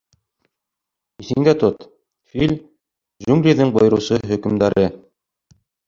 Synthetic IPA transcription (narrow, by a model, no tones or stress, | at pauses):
iθɘ̆ŋd̪æt̪ot̪ | filʲ | ʒuŋɡɾʲiðɘŋbŏj̆ɾɤ̆wsɤɦɵ̆kɘ̆md̪æɾʔɘ